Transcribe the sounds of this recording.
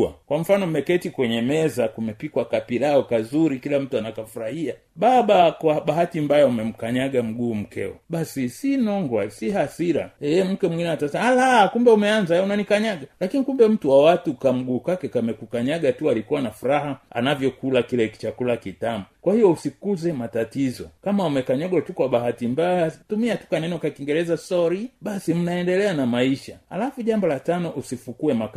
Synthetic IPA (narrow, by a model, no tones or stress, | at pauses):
a̰kwam̩fanɔm̩mɛkɛtikwɛɲɛmɛzakumɛpikwakapilaɔkazuɾikilam̩tuanakafuɾahia | ɓaɓakwaɓahatimbajaumɛm̩kaɲaɡam̩ɡuːm̩kɛ̰ɔ̰ɓasisinɔŋɡwasihasiɾaɛɛm̩kɛmwiŋɡinɛatasɛmalakumbɛumɛanzaunanikaɲaɠalakinikumbɛm̩tuwawatukam̩ɡuːkwakɛkamɛkukaɲaɡatualikuwanafuɾahaa̰navjɔkulakilɛki̥t͡ʃakulakitamukwahijɔusikuzɛmatatizɔ̰kamaumɛkaɲaɡwatukwaɓaɦatimbajatumiatu̥kanɛnɔkakiŋɡɛɾɛzasɔɾiɓasim̩naɛndɛlɛanamaiʃaha̰lafuʄambɔlatanɔʔusifukuɛmak